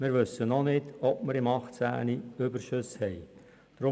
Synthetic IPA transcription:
mɪːɾʋʏsənɔnɪdɔp̚məɾɪmɑχt͡sæ̰ːniʏbəɾʃøshɛɪ | d̥ɾʊ

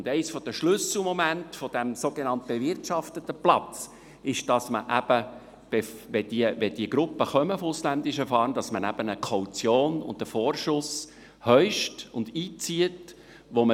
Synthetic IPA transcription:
ʊndɛɪsfɔd̥əʃlʏsl̩mɔmæntfɔd̥æmsoɡenɑnt̪̚b̥evɪrtʃɑft̪ətːəplɑt͡s | ɪʃd̥ɑsməʔæb̥ə | b̥efʋɛdiəʋɛd̥iəɡɾʊpːəχœməfoʊslænd̪ɪʃəfɑːɾnd̥ɑsmənæb̥ənəkʰɔwt͡sjoːnʊ̰nd̥əfoːrʃʊs | hœʏʃtʊnd̪iːt͡siət | ʋomə

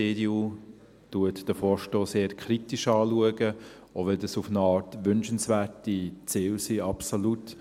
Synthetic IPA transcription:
edju | tuətd̥əfɔːɾʃtoːseːɾkʰχɾitiʃɑːluəɡə | oʋɛldəsufnəɑːtʋʏnʃənsvæːɾtit͡sɪːlsiɑpsolut

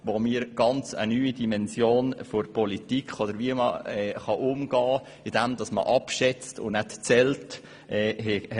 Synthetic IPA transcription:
ʋomiːɾɡ̥ɑnt͡sə̰nyːidimɛnsjoːnfoɾpɔlitikχod̪əɾʋiəmə̰ɛχɑʔʊmɡ̥ɑː | ɪd̥ɛmd̥ɑsmə̰ʔɑpʃɛt͡stʊ̰nnætt͡sɛlt | ɛɦɛ

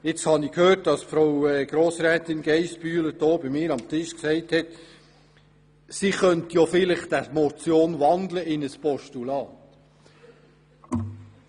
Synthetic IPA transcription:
ɪt͡shɑnɪkhøːt̚dɑsfɾowɛɡ̥ɾoːsɾɛːtɪnɡɛɪsbyːlədoːbimɪːɾɑmt̪ɪʃksɛɪthɛt | siχœntjofɪlɪχd̥̪æmɔt͡sjoːnʋɑnd̪ləɪnəspɔʃtulɑːt̪

